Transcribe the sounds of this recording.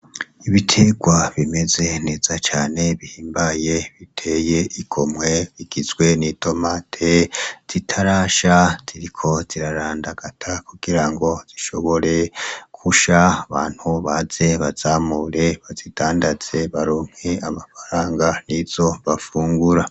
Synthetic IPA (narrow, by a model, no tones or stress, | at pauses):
iβitʰe̞ɡwaβime̞ze̞ne̞ːz̥at͡ʃaːne̞βihiːmbaje̞βitʰe̞je̞ʔikʰomwe̞βiɡ̥izɡwe̞nitʰo̞maːtʰez̥itʰaɾaːʃaz̥iɾikʰo̞z̥iɾaɾaːndaɡ̥atʰakuɡ̥iɾaŋɡo̞z̥iʃo̞βo̞ɾe̞kʰuʃaːβaːn̥huβaze̞βaz̥aːmuɾe̞βazid̥aːndaz̥e̞βaɾoːŋ̥heamafḁɾaːŋɡaniz̥o̞βafuːŋɡuɾa